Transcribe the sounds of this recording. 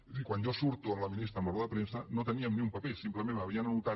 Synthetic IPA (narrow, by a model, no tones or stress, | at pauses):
ikwanʒosuɾt̪uəmləminist̪ɾəmbəroðəpɾensənot̪əniəmniumpapesimpləmẽnəβiənanut̪a